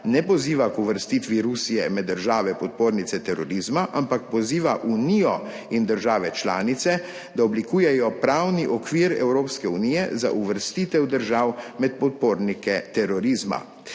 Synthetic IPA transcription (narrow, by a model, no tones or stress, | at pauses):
nɛpɔziːʋakuʋəɾst̪it̪ʋiɾusijɛmɛd̪ːəɾʒaːʋɛpɔt̪̚poːɾnit̪sɛt̪ɛɾɔɾizmaʔampak̚pɔziːʋaʔunijɔ | ind̪əɾʒaːʋɛt͡ʃla̰ːnit̪sɛ | d̪aɔblikuːjɛjɔpɾaːwniʔɔkʋiːɾɛ̰wɾoːpskɛunijɛ̰za̰ʔuʋəɾst̪iːt̪ɛwd̪əɾʒawmɛt̪̚pɔt̪̚poːɾnikɛt̪ɛɾɔɾizma̰